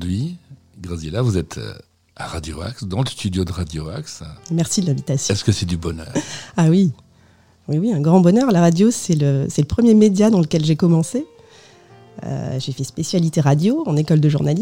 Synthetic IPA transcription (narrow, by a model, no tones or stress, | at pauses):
d̪ɥi | ɡʁazjelavuzɛt̪ʰ | aʁad̪joa̰ksd̪ɑ̃ləst̪yd̪jod̪əʁad̪joa̰ksmɛʁsid̪əlɛ̃vit̪asjɛskəsɛd̪ybɔnœ̰ːʁawi | wiwiɛ̃ɡʁɑ̃bɔnœʁlaʁad̪josɛləsɛləpχəmjemed̪jad̪ɑ̃ləkʲɛlʒekɔmɑ̃se | ø̰ʒefɛspesjalit̪eʁad̪joɑ̃nekɔld̪əʒuʁnali